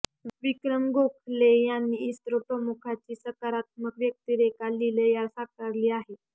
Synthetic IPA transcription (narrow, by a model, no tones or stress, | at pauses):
ʋikɾəmɡokʰlejanːiːst̪ɾopɾəmukʰat͡ɕiːsəkaɾat̪̚məkʋjək̚t̪iːɾekalːiləjaɾsakaɾliːaɦe